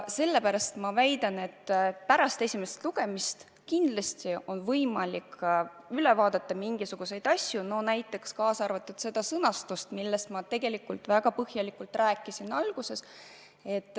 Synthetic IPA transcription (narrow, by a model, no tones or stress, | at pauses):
se̞lːepæɾɑst̪mɑvæjd̪ɑne̞t̪ːpæɾɑst̪e̞sʲimest̪luɡ̥e̞mist̪ | kind̪lɑsʲt̪io̞nvɤjmɑlik | yle̞vɑːd̪̥et̪ːˑɑmiŋɡ̥isuɡ̥use̞jd̪̥ɑsʲjuno̞næjt̪ˑːe̞kskɑːsɑrvɑt̪ːˑud̪̥se̞d̪̥ɑsɤnɑst̪ust̪milːest̪mɑt̪e̞ɡ̥e̞likːult̪væɡ̥ɑpɤhjɑlikult̪ræːkːˑisinɑlɡ̥use̞s | e̞t̪ːˑ